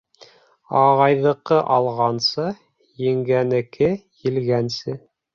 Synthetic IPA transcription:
ɑʁɑjðɤ̆qɤʔɑlˠʁɑnsɤ | jɘ̆ŋɡænɘ̆kʰɘjɘ̆lɡænsɘ

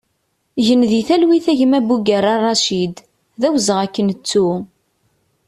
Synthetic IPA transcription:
ʝənðiθælwiθæʝəmæbuɡæɾɑrˤːɑʃid̪ | ðæwzəʁækːənət͡sːu

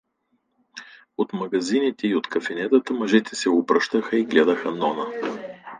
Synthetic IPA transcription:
ot̪mɐɡɐzinit̪ɛiot̪kɐfinɛt̪ət̪əmɐʒɛt̪ɛsɛʊpɾəʃt̪əxəiɡlɛd̪əxənɔnə

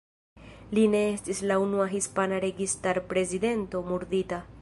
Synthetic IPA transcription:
line̞estislaunuaɦispanaɾe̞ɡistaɾpɾe̞zide̞nto̞muɾdita

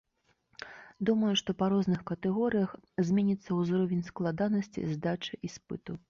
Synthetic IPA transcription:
d̪umɐjuʂt̪ɔpaɾɔznɨxkɐt̪ɛɣɔɾɨjɐxzʲmʲɛnʲit̪sːɐwzɾɔvʲɛnʲsklˠad̪anɐsʲt͡sʲḭzd̪at͡ʂɨʔispɨt̪u

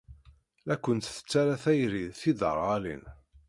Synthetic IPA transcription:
ækːənt̪θə̥t͡sːaɾæθæjɾiðθiðə̰ɾˤalḭn

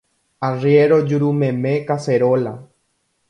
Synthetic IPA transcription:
arjeɾod͡ʒuɾumẽmẽkaseɾola

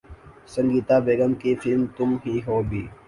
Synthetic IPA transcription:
sə̃ŋɡiːt̪abeːɡəmkifɪlmt̪ʊmɦiɦoːbʱiː

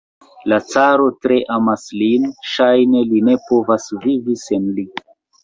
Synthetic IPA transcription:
lat͡saɾo̞tɾe̞ʔamaslinʃajne̞line̞po̞vasvivise̞nli

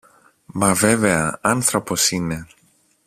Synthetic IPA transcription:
mɐve̞ve̞ɐɐnθɾo̞po̞sine̞

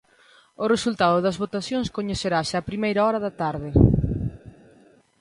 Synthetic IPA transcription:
ʊresult̪aðʊðɐzβot̪aθjõŋskoɲeθeɾaʃaːpɾimejɾaɔɾɐðɐt̪aɾðɪ

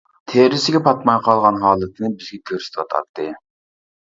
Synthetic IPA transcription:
t̪ʰeɾɪsɪɡʲɛpʰɑt̪mɑjqʰɑlˠʁɑnɦɑːlˠɨt̪ʰnɨbɪzɡʲɛkʲʰøɾsɪ̥t̪ʰɪwɑt̪ʰɑ̰t̪ʰːɨ

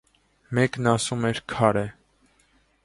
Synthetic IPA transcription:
mɛknɑsumɛɾkʰɑɾɛ

